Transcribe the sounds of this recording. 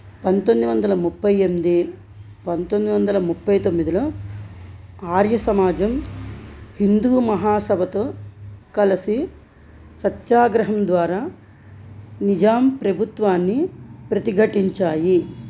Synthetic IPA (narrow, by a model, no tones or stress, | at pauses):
pɐnt̪ond̪iʋɐnd̪ɐlɐmupːɐjemid̪i | pɐnt̪ond̪iʋɐnd̪ɐlɐmupːɐjt̪omːid̪ilo̞ː | aːɾjɐsɐmaːd͡ʒɐm | hind̪uːmɐɦaːsɐbʱɐt̪oːkɐlɐsi | sɐt̪jaːɡɾɐɦɐmd̪ʋaːɾaː | nid͡ʒaːmpɾɐbʱut̪ʋaːnːipɾɐt̪iɡʱɐʈiɲt͡ʃaːji